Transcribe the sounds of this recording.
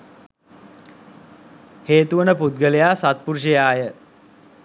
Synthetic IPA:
heːt̪uʋənəput̪̚ɡəlejaːsat̪̚puɾuʂəjaːjə

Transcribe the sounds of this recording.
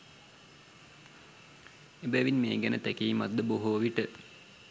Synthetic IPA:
ebæʋinmeːɡɛnət̪ɛkeːma̰d̪əboɦuɐʋiʈə

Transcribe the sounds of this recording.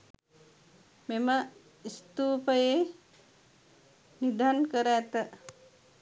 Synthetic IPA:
memə | ist̪upəje | nid̪ʱankəɾat̪ə

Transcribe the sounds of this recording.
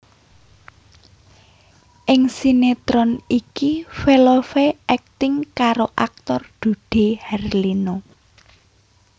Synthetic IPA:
ʔɪŋsinet̪ɾɔnikifelofeʔɛk̚t̪ɪŋkaɾoʔa̰k̚t̪ɔrd̪̥ṳɖ̪̥e̤hɛrlino

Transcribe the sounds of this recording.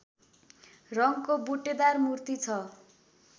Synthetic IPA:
rʌŋkobuʈed̪armurt̪it͡sʰʌ

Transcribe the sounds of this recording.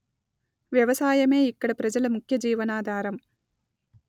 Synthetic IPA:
ʋjɐʋɐsaːjɐmeːikːɐɽɐpɾɐd͡ʒɐlɐmukʰjɐd͡ʒiːʋɐnaːd̪ʱaːɾɐm

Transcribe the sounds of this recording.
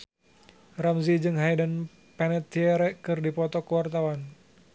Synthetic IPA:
ramzid͡ʒɨŋɦajdən | pɛnɛt̪ːiɛɾɛʔkɨrdipɔt̪ɔkəwart̪awan

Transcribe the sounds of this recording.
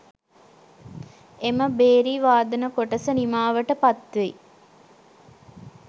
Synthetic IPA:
eməbeːɾiːʋaːd̪ɐnəkoʈɐsənimaːʋɐʈəpɐt̪ʋe

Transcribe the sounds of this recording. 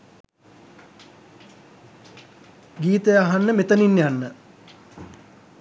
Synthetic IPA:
ɡiːt̪əjaɦanːəmet̪əninːjanːə

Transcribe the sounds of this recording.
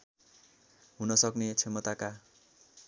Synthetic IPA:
ɦunʌsʌknet͡sʰemʌt̪aka

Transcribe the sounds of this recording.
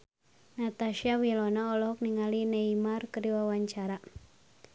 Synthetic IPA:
nat̪aʃiawilɔnaɔlɔɦɔk̚niŋalineimarkəɾiwawaɲt͡ʃaɾa

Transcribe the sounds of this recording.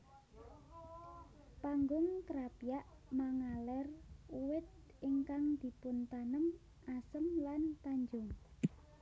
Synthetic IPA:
paŋɡʊŋkəɾapijaʔ | maŋalɛruwɪt̪̚ | ɪŋkaŋd̪̥i̤pʊnt̪anəm | asəmlant̪aɲd͡ʒʊŋ

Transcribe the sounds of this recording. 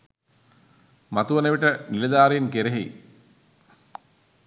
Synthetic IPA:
mat̪uʋɐnəʋiʈənilɐd̪aːɾenkeɾeɦḛ

